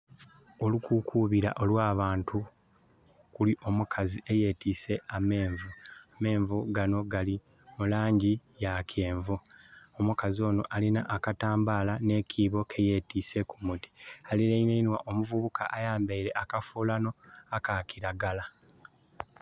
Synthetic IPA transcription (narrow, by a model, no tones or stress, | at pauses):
olukukʰuβiɾa̰ʔo̞lwaːβaːntu | kuliʔo̞mukʰazie̞je̞ːtiːse̞ʔame̞ːɱvuame̞ːɱvuɡano̞ɡali | mulaːɲɟijakʰe̞ːɱvuːomukazio̞ːno̞̰ʔalina̰ʔakataːmbalane̞cʰiːβo̞kʰe̞je̞ːtiːse̞kumuti̥aliɾeineinwaʔo̞muvuβuka̰ʔːjaːmbeiɾe̞ʔakafulano̞akakiɾaɡala